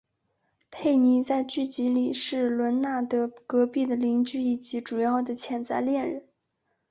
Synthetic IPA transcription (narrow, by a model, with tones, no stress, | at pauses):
pʰe˥˩ɪni˧˥t͡sa˥˧ɪt͡ɕy˥˩t͡ɕi˧˥li˨˩ʂɻ̩˥˩lwə˧˥nna˥˩t̪ɤ˧˥kɤ˧˥pi˥˩d̪ə˩li˧˥ŋt͡ɕy˥˧i˥˩t͡ɕi˧˥ʈ͡ʂu˨˩jɑ˥˩d̪ə˩t͡ɕʰjɛ˧˥nt͡sa˥˧ɪljɛ˥˩nɻə˧˥˦n